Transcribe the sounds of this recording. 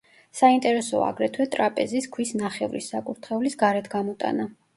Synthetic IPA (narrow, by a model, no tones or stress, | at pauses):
saint̪ʼɛɾɛsɔa̰ɡɾɛt̪ʰwɛt̪ʼɾapʼɛziskʰwisnaχɛvɾḭsːakʼuɾt̪ʰχɛulisɡaɾɛt̪ʰɡamɔt̪ʼa̰na